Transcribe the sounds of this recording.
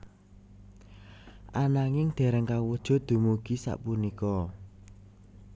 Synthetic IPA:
ʔanaŋɪŋd̪̥ɛ̤ɾəŋkawəd̥ʒ̥ɔ̤d̪̥ṳmuɡ̥i̤sa̰ʔpunikɔ

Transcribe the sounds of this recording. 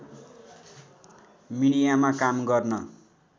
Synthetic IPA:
miɽ̃ijamakamɡʌrnʌ

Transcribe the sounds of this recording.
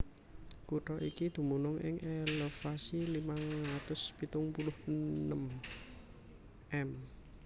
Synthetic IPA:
kuʈɔʔikid̪̥ṳmunʊŋʔɪ̰ŋʔɛləfasilimaŋɾat̪ʊspit̪ʊŋpulʊhənəm | ʔɛm

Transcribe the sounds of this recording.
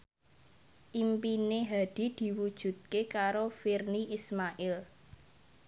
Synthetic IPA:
ʔimpineɦad̪̥i̤d̪̥i̤wud̥ʒ̥ṳt̪̚kekaɾofirniismaʔɪl

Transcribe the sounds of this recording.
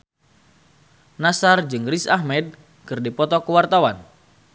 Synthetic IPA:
nasard͡ʒɨŋrisahmɛd̚ | kɨrdipɔt̪ɔkəwart̪awan

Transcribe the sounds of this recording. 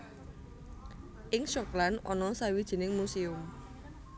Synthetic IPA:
ʔɪŋʃɔklanʔɔnɔsawid̥ʒ̥i̤nɪŋmusiʊm

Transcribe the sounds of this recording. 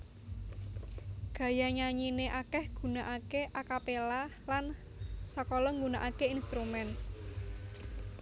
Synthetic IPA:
ɡ̥ä̤jaɲaɲineʔakɛhɡ̥ṳnaʔakeʔakapelalan | sakɔlɔŋɡunaʔakeinst̪ɾumɛn

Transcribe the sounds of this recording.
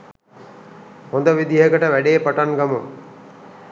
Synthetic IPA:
hõnd̪əʋid̪iɦəkəʈəʋæɖeːpaʈaŋɡamu

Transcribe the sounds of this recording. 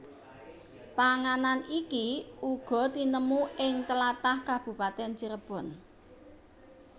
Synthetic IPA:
paŋananikiuɡ̥ɔ̤t̪inəmuɪŋt̪əlat̪ahkab̥ṳpat̪ɛnd͡ʒəɾəb̥ɔ̤n

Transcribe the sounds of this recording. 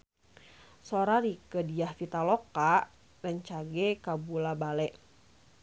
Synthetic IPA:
soɾaɾikədiahfit̪aloka | dənt͡ʃaɡɛkabulabalɛʔ

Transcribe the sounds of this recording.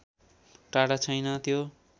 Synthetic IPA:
ʈaɽat͡sʰʌjnʌt̪jo

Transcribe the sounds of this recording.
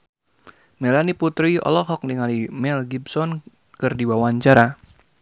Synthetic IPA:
mɛlaniput̪ɾiɔ̰lɔɦɔk̚diŋalimɛlɡibsɔn | kɨrdiwawaɲt͡ʃaɾa

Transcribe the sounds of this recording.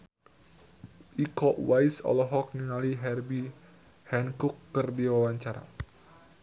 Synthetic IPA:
ʔikɔʔwajsɔ̰lɔɦɔk̚niŋaliɦɛrbi | hɛnkukːərdiwawaɲt͡ʃaɾa̰

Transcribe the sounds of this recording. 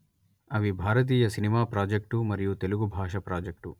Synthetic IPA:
ɐʋibʱaːɾɐt̪̬iːjɐsinimaːpɾaːd͡ʒek̚ʈumɐɾijut̪e̞luɡubʱaːʂɐpɾaːd͡ʒek̚ʈu

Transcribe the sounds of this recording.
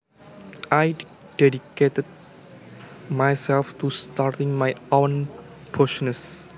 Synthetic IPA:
ʔaj | d̥ɛdiket̪əd̚ | majsɛlft̪ust̪art̪ɪ̃ŋmajõn | pʰoʃnəs

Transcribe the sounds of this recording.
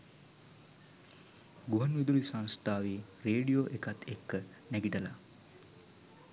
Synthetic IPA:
ɡuɦanʋid̪ulisanst̪aːʋireːɖijoːʔekat̪ʰekːə | næɡiʈəla̰

